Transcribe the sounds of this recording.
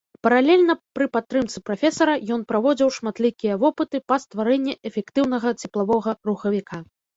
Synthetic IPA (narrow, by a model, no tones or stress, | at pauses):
pɐɾalʲɛlʲnɐpɾɨpat̪ːɾɨmt̪sɨpɾafʲɛsɐɾɐjɔn̪pɾavɔd͡zʲiwʂmat̪lʲikʲijɐvɔpɨt̪ɨpɐst̪vaɾɛnʲːɛʔɛfʲɛkt̪ɨwn̪ɐɣɐt͡sʲɛplˠavɔɣɐɾuxɐvʲikʰa